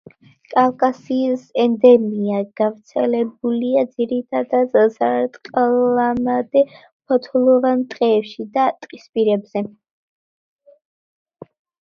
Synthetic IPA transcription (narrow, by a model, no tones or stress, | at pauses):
kʼalˠkʼasiːsɛnd̪ɛmiaɡ̥avɾt̪sʰɛlɛbuliad̪ziɾit̪ʰad̪ad̪sat̪ʼqʼlamad̪ɛ | pʰɔt̪ʰulˠɔvamt̪ʼqʼɛːpʃid̪at̪ʼqʼispʼiɾɛbz̥ɛ